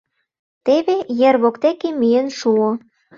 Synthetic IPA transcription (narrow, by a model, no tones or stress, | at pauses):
t̪eβejerβokt̪ekemyjenʃuo